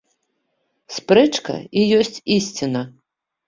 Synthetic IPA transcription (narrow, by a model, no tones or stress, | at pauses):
spɾɛt͡ʂkɐ̰ijɔsʲt͡sʲisʲt͡sʲinɐ